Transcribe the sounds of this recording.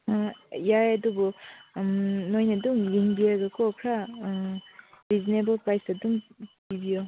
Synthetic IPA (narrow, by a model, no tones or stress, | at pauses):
jajɐdubu | nojnɐduŋliŋbiaɡɐkʰokʰɾa | ɾizinebɐlpɾajsdɐduŋpibijo